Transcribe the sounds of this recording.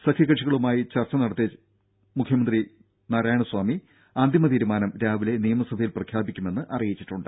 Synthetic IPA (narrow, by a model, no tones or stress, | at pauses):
sɐkʰɐkːɐʂiɣɐɭumaːjit͡ɕɐrt͡ɕːɐnɐɽɐt̪ːje | mukʰjɐmɐnd̪ri | nɐɾaːjɐɳuswaːmi | aːnd̪ʱimɐt̪iːɾumaːnɐmɾaːʋile̞nijɐmɐsɐbʱɐjilprɐkʰjaːbikʲːume̞nːɨʔɐrijit͡ɕːiʈːuɳɖɨ